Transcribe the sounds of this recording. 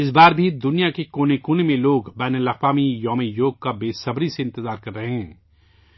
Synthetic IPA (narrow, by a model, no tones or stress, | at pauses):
ɪs̬baːɾbʱid̪ʊnijakekoːnekoːnemẽloːɡbɛːnəlɐxwaːmijɔːmejoːɡ̚kabeːsɐbɾiseɪ̃nt̪ɪzaːɾkɐɾːɐɦeɦɛ̃ː